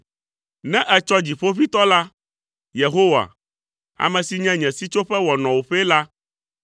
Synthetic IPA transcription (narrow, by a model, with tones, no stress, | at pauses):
nɛ̃˦ʔɛ˨t͡ʃɔ˦d͡ʑi˨ɸo˦fi˦t̪ɔ˦la˦ | je˨ɦo˦wa̰˨ | a̰˨mɛ̃˨si˨ɲɛ̃˦ɲɛ̃˨si˦t͡ʃo˦ɸɛ˦wɔ˨nɔ̃˨wo˨ɸɛ˦la˦